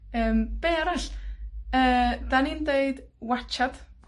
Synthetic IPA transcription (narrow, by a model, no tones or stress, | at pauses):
əːmb̥eːaɾaɬ | əːd̥aniːndeɨd̥wat͡ʃʰad̥